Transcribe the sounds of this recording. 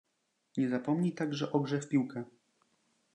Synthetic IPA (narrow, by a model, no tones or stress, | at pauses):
ɲɛzapɔmɲit̪aɡʐɛʔɔɡʐɛfpʲiwkɛ